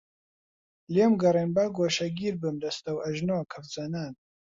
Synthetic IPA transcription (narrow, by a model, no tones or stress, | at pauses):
lemɡɐrenbaɡoːʃɐɡiːɾbɨmd̪ɐst̪ɐwɐʒnoːkʰɐɾd͡zɐnaːn